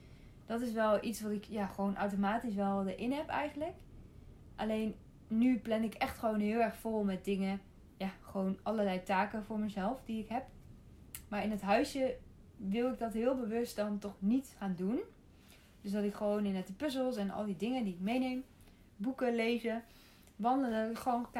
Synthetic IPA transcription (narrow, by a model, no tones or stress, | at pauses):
d̥ɑtɪs̬ʋɛlˠʔitsʋɑtɪkjaːχəʋownʔawtomaːtis̬ʋɛlˠdəɹʔɪnɦɛpɛ̰jχəndlək | ʔalejnː | yplɛnɪkɛχtχəʋownɦɪːlˠɛɹχfolˠmɛt̚dɪŋə | jaːχəʋownʔɑləlɛjtaːkəvʊːɹməzɛlˠfdiɪkɦɛp̚ | maːɹɪnətɦœɥsjə | ʋɪlˠɪɡ̚dɑtɦɪːlˠbəʋɵst̚dɑntɔχnitχaːndun | d̥øsdɑtɪkχəʋownɪnɛt̚dəpɵzəlˠsɛnɑ̰lˠdidɪŋədiɪk̚mejnejm | bukəlejzə | ʋɑndələdɑtɪkχəʋon